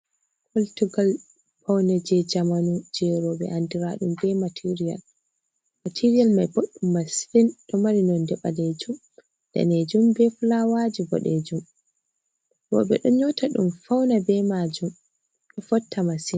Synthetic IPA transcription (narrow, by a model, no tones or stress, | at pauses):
kʰɔltuɡal | fawnɛd͡ʒɛd͡ʒamanud͡ʒɛɾɔɓɛ̰ʔandiɾaɗumbɛmatʰiɾija̰l | matʰiɾijalmajboɗːumːasfinɗɔmaɾinɔndɛɓaled͡ʒum | d̥a̰ned͡ʒumbɛflawad͡ʒibɔ̰ɗed͡ʒum | bɔ̰ɓɛɗɔɲɔtʰaɗumfawnabɛmad͡ʒum | ɗɔfɔtʰːamasin